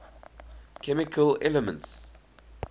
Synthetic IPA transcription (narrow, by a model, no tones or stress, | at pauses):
kʰɛmɪkʰəlɛləmə̰̃nts